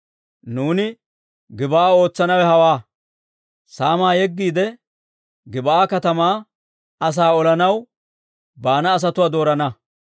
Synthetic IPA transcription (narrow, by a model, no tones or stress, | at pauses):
nuːnɪ | ɡɪbɐʔaːo̞ːt͡sːɐnɐwɛɦɐwaː | saːmaːjɛɡːiːd̪ɛ | ɡɪbɐaːkɐt̪ɐmaː | ɐs̬aːɔlɐnɐw | baːnɐːs̬ɐt̪ʊwaːd̪o̞ːɾɐnɐ